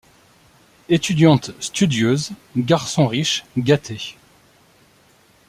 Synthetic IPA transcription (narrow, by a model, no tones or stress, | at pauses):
et̪yd̪jɑ̃t̪st̪yd̪jøzɡaʁsɔ̃ʁiʃɡat̪ʰe